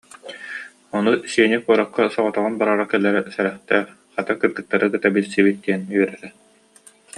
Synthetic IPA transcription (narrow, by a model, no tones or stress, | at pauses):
ɔnusiɛnikuɔɾɔqːasɔʁɔt̪ɔʁɯnbaɾaɾakɛlːɛɾɛsɛɾɛχt̪ɛː | χat̪akɯɾd̪ɯk̚t̪ːaɾɯkɯt̪abilʲsibit̪̚d̪iɛnyœɾɛɾɛ